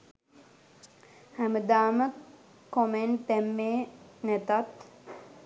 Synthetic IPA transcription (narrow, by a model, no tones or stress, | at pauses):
hæməd̪aːmə | koment̪æmːeːnæt̪at̪